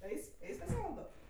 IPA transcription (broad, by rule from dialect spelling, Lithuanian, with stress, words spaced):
ˈɐɪsʲ ˈɐɪsʲ pɐs ˈeːʋɐlˠdoː